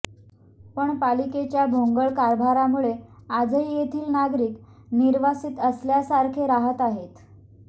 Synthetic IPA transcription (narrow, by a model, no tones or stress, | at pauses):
pəɳpaliket͡ɕjabʱoŋɡəɭkaɾbʱaɾamuɭead͡zəjjet̪ʰiːlnaɡɾiːk | niɾʋasiːt̪əsljasaɾkʰeɾaɦət̪aɦet̪